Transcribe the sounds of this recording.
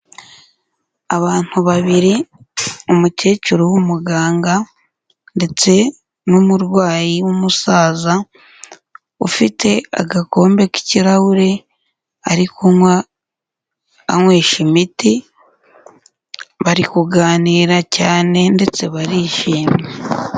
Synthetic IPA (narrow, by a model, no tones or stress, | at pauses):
aβaːn̥huβaβiɾi | umute̞ːcuɾowumuɡaːŋɡa | nde̞t͡se̞ | numuɾɡwaːjiwumusaːza | ufitʰe̞a̰ɡako̞ːmbe̞ki̥ciɾawuɾe̞ | aɾikumwa | ŋweːʃimiti | βaɾikuɡaːniːɾacaːne̞nde̞t͡se̞βaɾiʃiːmje